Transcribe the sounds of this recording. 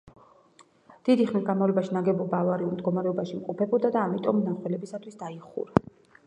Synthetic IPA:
d̪̥id̪iχnisɡanmavlɛbaʃinaɡɛbɔbavaɾiumd̪ɡɔmaɾɛɔbaʃimqʼɔpʰɛbɔd̪ad̪aːmit̪ʼɔmnaχwɛlɛbisat̪ʰwisd̪aiχṵɾa

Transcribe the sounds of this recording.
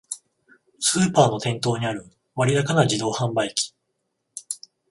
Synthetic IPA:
sɨːpaːno̞t̪ẽ̞nt̪o̞ːɲ̟iaɾɯ̟ | βaɾʲid̪akanad͡ʑid̪o̞ːhãmbaikʲi̥

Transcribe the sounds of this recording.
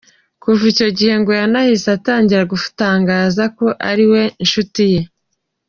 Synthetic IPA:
kuvuico̞ɟihe̞ŋɡojanahisataːɲɟiɾaɡufu̥taːŋɡaːzako̞ʔaɾiwe̞nʃutije̞

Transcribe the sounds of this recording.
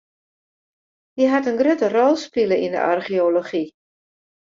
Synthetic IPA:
diɦatənɡrøtərɔlˠspiləində̰ʔa̰rχioloχi

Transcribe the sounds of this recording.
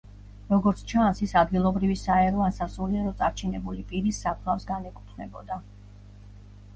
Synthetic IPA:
ɾɔɡɔɾt̪sʰt͡ʃʰansisad̪ɡilˠɔbɾivisaɛɾɔansasuliaɾɔt̪sʼaɾt͡ʃʰinɛbulipʼiɾisːakʰlˠafsɡanɛkʼup̪ʰnɛ̰bɔ̰d̪a

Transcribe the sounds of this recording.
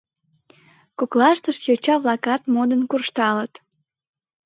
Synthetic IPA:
koklɑʃt̪əʃt̪jot͡ɕɑβlɑkɑt̪mod̪ənkurʃt̪ɑlət̪

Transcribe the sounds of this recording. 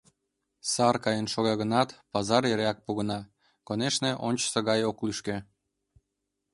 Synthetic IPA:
sɑrkɑjənʃoɣɑɣənɑt̪pɑzɑɾeɾeɑk̚puɣə̆nɑ | koneʃnĕʔonʲt͡ɕə̥səɣɑjoklyʃkĕ

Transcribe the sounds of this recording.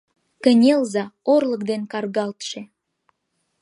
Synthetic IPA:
kə̆nʲelzɑorlək̚d̪enkɑrɣɑlt̪ʃe

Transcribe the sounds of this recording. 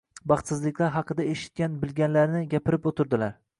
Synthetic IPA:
bɑχt̪sɪzlɪkʲlaɾɦɑqʰɨd̪aeʃɪ̥t̪̚kʲanbɪlɡʲanlaɾnɪɡʲapʰɪɾɪpot̪ʰɪɾd̪ɪlaɾ

